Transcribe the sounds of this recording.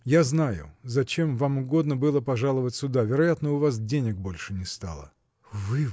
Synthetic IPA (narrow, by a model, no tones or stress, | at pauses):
jaznajʊ̰zɐt͡ɕemvamʊɡo̞d̪nəbɨlˠəpɐʐalˠəvətʲsʲʊd̪avʲɪɾɐjat̪nəʊvas̬dʲenʲɪɡ̚bo̞lʲʂɨnʲɪst̪a̰lˠə̰ | vɨ